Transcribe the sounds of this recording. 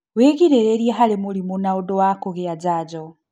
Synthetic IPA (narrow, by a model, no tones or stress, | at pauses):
weɣiɾeɾeɾjeɦalimulimunaudɔwakuɣijad͡ʒaːd͡ʒɔ